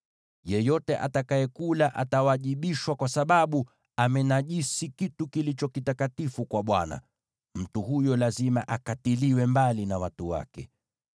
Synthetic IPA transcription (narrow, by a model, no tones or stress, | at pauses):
jɛjɔtɛʔa̰takajɛkulaʔatawaʄiɓiʃwakwasaɓaɓu | amɛnaʄisikitukilit͡ʃɔkitakatifukwaɓwa̰na̰ | m̩tuhujɔlazimaʔakatiliwɛmbalinawatuwa̰kɛ̰